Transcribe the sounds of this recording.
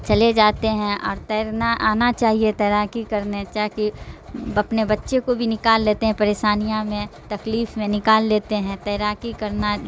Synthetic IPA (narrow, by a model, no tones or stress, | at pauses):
t͡ʃɐled͡ʒaːt̪eɦɛ̃ɔːɾt̪ɛːɾnaʔaːnat͡ʃaːɦiet̪ɛːɾakikɐɾnet͡ʃaːki | ɐpnebɐtːʃekobʱinɪkaːlːeːt̪eɦɛ̃pɐɾeːʃaːnijamẽt̪ɐkliːfmẽnɪkaːlːeːt̪eɦɛ̃t̪ɛːɾaːkikɐɾna